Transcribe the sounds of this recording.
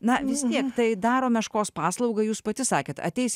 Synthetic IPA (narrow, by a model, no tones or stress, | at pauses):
nɐʋʲɪst̪ʲiɛkt̪ɐɪd̪ɑːɾoːmʲɛʃkoːspɑːslˠɐʊɡɐjuːspɐt̪ʲɪsɑːkʲeːt̪ɐ̰t̪ʲɛɪsʲ